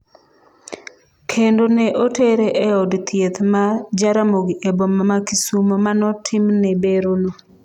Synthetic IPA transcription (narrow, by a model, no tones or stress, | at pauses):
kʰendoneʔoteɾeʔɛɔdt̪jet̪mad͡ʒaɾamoɡiebomamakisumomanɔtʰɪmnebeɾono